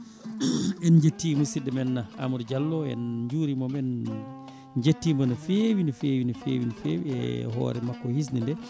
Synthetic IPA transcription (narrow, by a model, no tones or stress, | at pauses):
ɛnɲd͡ʒetːimusidɛmɛnːaa̰muɾd͡ʒalːɔɛ̰nɲd͡ʒuːɾimɔmɛn | d͡ʒetːiːmbɔnɔfewinifeːwinɔfeːwinifewiɛ̰ɦɔ̰ːɾɛmakːɔhis̬nindɛ